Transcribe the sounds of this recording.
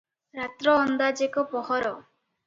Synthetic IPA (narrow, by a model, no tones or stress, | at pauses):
ɾat̪ɾɔːnd̪ad͡ʒekɔpɔɦɔɾɔ